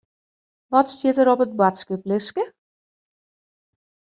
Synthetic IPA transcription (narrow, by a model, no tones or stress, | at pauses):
ʋɔtstjɪtəɾɔpət̚batskəplɪskə